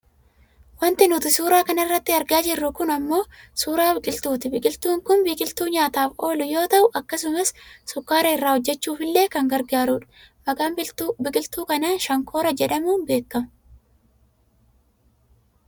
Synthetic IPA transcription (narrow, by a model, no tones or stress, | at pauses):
wɐnt̪ɪnʊt̪ɪsuːɾaːkɐnɐɪrːɐt̪ːɪɐɾɡaːd͡ʒɪrːʊkʊnɐmːo̞ːsuːɾaːɪkʼɪlt̪uːt̪ɪbɪkʼɪlt̪uːŋkʊnbiːkʼɪlt̪uːɲaːt̪aːfo̞ːlʊjo̞ːt̪ɐʔʊʔɐkːɐsʊmɐssʊkːaːɾɐɪrːaːhɔd͡ʒːɛt͡ʃːuːfɪlːe̞ːkɐŋɡɐɾɡaːɾuːᶑɐ̥ | mɐɡaːmbɪbɪkʼɪlt̪uːkɐnaːnʃɐŋkʰo̞ːɾɐd͡ʒɛᶑɐmuːnbe̞ːkːɐmʊ